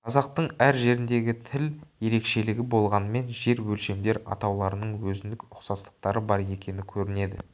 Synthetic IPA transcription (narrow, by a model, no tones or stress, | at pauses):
qʰɑzɑq̚t̪əɴæɾʒe̞ɾɪnd̪e̞ɡʲɪt̪ʰɪlje̞ɾe̞kʃe̞lɪɡʲɪbo̞lˠʁɑnəme̞nʒe̞ɾwɵlʃe̞md̪e̞ɾɑ̰t̪ɑwlˠɑɾənəɴwɵzɪnd̪ɪkʊqsɑst̪ə̥q̚t̪ɑɾəbɑɾje̞kʲe̞nɪkʲʰɵɾɪne̞d̪ɪ̰